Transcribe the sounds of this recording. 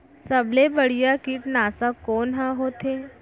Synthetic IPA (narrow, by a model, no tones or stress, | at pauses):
səblebəɽ̤ijakiːʈnaːsakoːnɦãɦoːt̪e